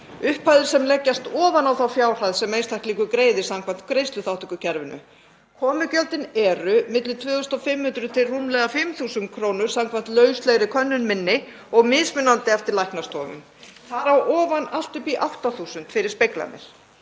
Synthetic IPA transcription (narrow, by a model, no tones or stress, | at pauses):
ʏhpʰajðʏɾ̥sɛmlɛcːast̪ɔːvanawθawfjaːwr̥ajðsɛmejnst̪ʰajhkliːkʏkɾeːjðɪsamkʰvan̥t̪̚kɾejst̪lʏθawht̪ʏkʏcʰɛɾvʏnʏ̰ | kʰɔːmʏcœlt̪ɪnɛɾʏmɪt̪lɪt̪ʰvʏːθʏst̪ɔfɪmhʏnt̪ɾʏt̪ʰɪlrumlɛɣafɪmθuːsʏnt̪̚kʰɾownʏɾ̥samkʰvan̥t̪lœːɥslɛɣɾɪkʰœnːʏnmɪnːɪ | ɔɣmɪðsmɪnːant̪ɪɛft̪ɪɾlajhknast̪ʰɔ̰ːmʏ̰m | θaɾawʔɔːvanal̥t̪ʏpiʔawht̪aθuːsʏnt̪fɪɾɪɾ̥spejkla̰nɪ̰ɾ̥